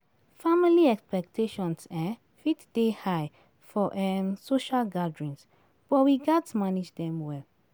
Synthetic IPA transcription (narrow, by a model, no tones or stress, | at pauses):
familiɛkspɛk̚tʰeʃɔ̃nsa | fitd̥ehaj | fɔʔɛmsoʃalɡadɹĩns | b̥ɔwiɡatmanid͡ʒdɛ̃mwɛl